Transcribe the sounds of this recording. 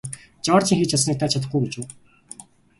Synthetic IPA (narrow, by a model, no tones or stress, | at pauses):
t͡ɕɔːrt͡ɕĭːŋxiːt͡ɕʰasniːk̚t̪ʰaːt͡ɕʰat̪̬ə̆χɡujɡet͡ɕuː